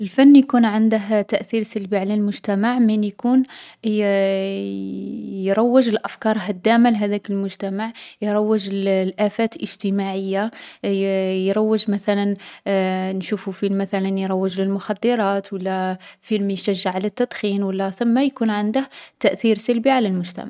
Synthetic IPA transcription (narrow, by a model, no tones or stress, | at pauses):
əlfænːjkunʕənd̪əɦt̪æʔθiɾsəlbiʕalælmʊʒt̪æmaʕminjkun | jɾˤɑwːəʒəlʔæfkɑɾˤɦæd̪ːæmalɦæd̪ækəlmʊʒt̪æmaʕjɾˤɑwːəʒllʔæfæt̪lʔəʒ̥t̪əmaʕəjːa | jɾˤɑwːəʒmæθælæn | nʃufufilmæθælænjɾˤɑwːəʒləlmʊxɑd̪ːəɾˤɑt̪wəlːæfilmjʃæʒːəʕlæt̪ːɑd̪̥ˤxinwəlːæθʊmːajkunʕənd̪əht̪æʔθiɾsəlbiʕalælmʊʒt̪æ̰maʕʕ